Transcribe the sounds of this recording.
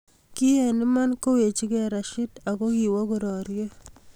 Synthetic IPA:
ki˦hɛ˨nɪ˦ma˦nko˦we˨t͡ʃi˦kɛɾa˨ʃɪ˦ta˨ko˦kiwɔ˦ko˨ɾɔ˨ɾje˦

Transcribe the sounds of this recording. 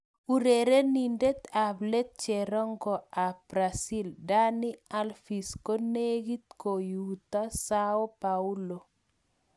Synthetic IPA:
u˨ɾe˨ɾe˦ni˨nde˦t̪a˨ble˦t̪̚t͡ʃɛ˨ɾɔ˦ŋɡɔ˨a˨b̥ɾa˨si˦lda˦nɪ˦a˦lfi˨sko˦ne˦ɡi˦t̪̚ko˨jut̪a˦saɔ˦pau˦lo˨

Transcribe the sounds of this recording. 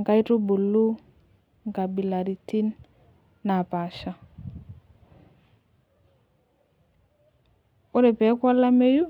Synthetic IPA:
ŋka˦i˦tu˦bu˨lːu˦ | ŋka˨bi˨la˨ɾi˨ti˦n | nːa˨pa˨ʃa˦ | o˦ɾe˨pɛ˨˦kwa˦la˦me˦ju˦

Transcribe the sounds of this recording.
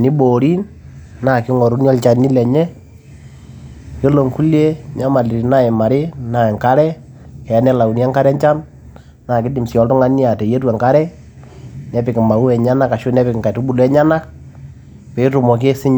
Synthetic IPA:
ni˦bo˨ɾi˦n | na˨kɪ˦ŋɔ˨ɾu˦ni˦ɔ˦lt͡ʃa˨ni˦lɛ˨ɲɛ˦ | ke˦lo˨ŋku˦lje˦ɲa˦ma˨li˨ɾi˨na˦e˨ma˨ɾɪ˦na˨e˨ŋka˦ɾɛ˦ | kɛ˨˦nɛ˦la˨u˨n˦a˦ŋka˦ɾɛ˦ɲt͡ʃa˦n | na˨kɪ˦dɪ˨msi˨ɔ˦ltʊ˦ŋa˦ni˦a˨te˨je˦twa˨ŋka˦ɾɛ˦ | nɛ˨˦pɪ˨kɪ˨ma˨u˦ɛ˨ɲa˦na˦ka˨ʃu˦nɛ˦pɪ˨kka˨tu˦bu˨lɛ˦ɲa˦na˦k̚ | pe˨˦tu˨mɔ˨ke˦sɪ˦ɲ

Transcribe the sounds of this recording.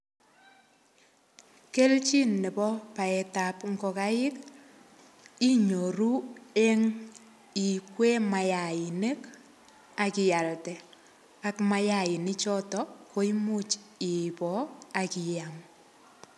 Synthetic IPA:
ke˦lt͡ʃi˦nːɛ˨pɔ˦pa˨ɛ˨ta˨pŋɡɔ˨ka˦ɪ˦k | i˦ɲo˨ɾu˦e˦ŋ | i˨kwe˦ma˨ja˨ɪ˨ne˦k | a˨kɪ˨ja˨ltɛ˨ | a˦kma˦ja˨ɪ˨nɪ˦t͡ʃɔ˦tɔko˦imu˦t͡ʃɪ˨pɔ˨a˨kɪ˨jaŋ

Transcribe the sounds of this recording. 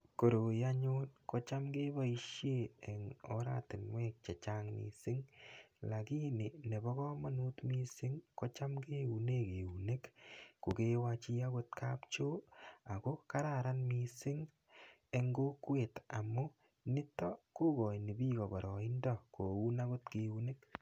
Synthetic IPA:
ko˨ɾo˨jaɲonko˦t͡ʃa˦mɡeː˦bɔ˦i˧ʃje˦e˨ŋɔ̰˦ɾa̰˦tɪ˨nwɛː˦k̚t͡ʃe˨t͡ʃaːŋmḭ˨sɪ˦ŋla˨kiː˦nɪ˨ne˨bɔ˦kɔ˦ma˦nuː˦tmi˦sɪ˦ŋko˦t͡ʃa˦mke˦u˨ne˦ke˨u˨ne˦kku˨ke˦wa˧t͡ʃi˦a˦ɡo˦t̚kʰaːpt͡ʃo˦a˨ko˦ka˦ɾa˨ɾa˦nmi˨sɪ˦ŋ | e˧ŋɡo˦kwe˨ta˨mʊ˦ | nɪ˦tɔ˦ku˦ɡɔ˨jni˨biː˦kɔ˨bɔ˨ɾɔ˨i˦ndɔ˦ko˨u˦na˦ko˦tke˨u˦ne˦k̚

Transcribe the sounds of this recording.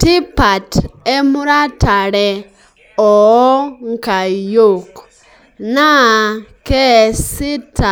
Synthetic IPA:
ti˦pa˨te˦mu˦ɾa˦ta˨ɾe˨ | o˨ɔ˦ŋka˨jo˦˨k | na˦ke˦si˦ta˨

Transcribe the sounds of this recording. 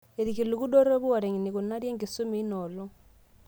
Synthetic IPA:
e˨ɾi˨ki˨lu˨ku˦ɗo˦ɾe˦βu˦a˨ɾe˨ŋi˨ni˨ku˨na˦ɾje˦ŋɡi˨su˦mi˨˦nɔ˨lɔ˦

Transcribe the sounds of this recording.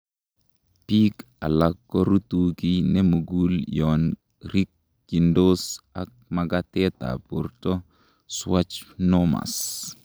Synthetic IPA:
pi˦k | a˨lakːɔ˦ɾu˦t̪uɡi˦nɛ˦mu˨ɡuljɔn | ɾi˦k̚ | d͡ʒi˨ndo˦sa˦k̚maɡat̪ɛt̪a̰˨po˨rtɔ˦ | swa˦t͡ʃnoma̰˨s

